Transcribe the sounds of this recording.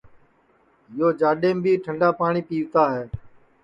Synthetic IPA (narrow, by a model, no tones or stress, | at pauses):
ɪjoːd͡ʒaːɗeːmbiːʈʰəɳɖaːpaːɳiːpiːʋt̪aːɦɛː